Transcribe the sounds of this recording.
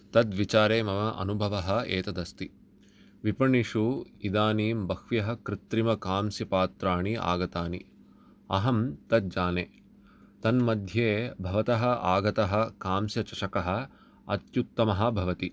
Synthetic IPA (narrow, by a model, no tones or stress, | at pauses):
t̪ɐd̪ʋit͡ʃaːɾeːmɐmɐʔɐ̰nubʱɐʋɐɦɐ̆eːt̪ɐd̪ɐst̪i | ʋipɐɳiʂuid̪aːniːmbɐkʰʋjɐɦɐ̆kɾɪt̪ɾimɐkaːmsjɐpaːt̪ɾaːɳiʔa̰ːɡɐt̪aːni | ɐ̰ɦɐmt̪ɐt̪̚d͡ʒaːneː | t̪ɐnmɐd̪ʱjeːbʱɐʋɐt̪ɐɦɐ̆aːɡɐt̪ɐɦɐ̆kaːmsjɐt͡ʃɐʃɐkɐɦɐ̆ | ɐ̰t̪jut̪ːɐmɐɦɐ̆bʱɐʋɐt̪i